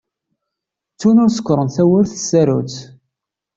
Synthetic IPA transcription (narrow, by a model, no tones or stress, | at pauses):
t͡sːunʊɾsə̥kʷːɾˤənθæwəɾθə̥sːæɾṵt͡s